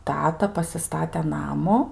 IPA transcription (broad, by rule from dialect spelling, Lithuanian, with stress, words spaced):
ˈtɑːtɐ pɐsʲɪˈstɑːtʲɛ ˈnɑːmʊ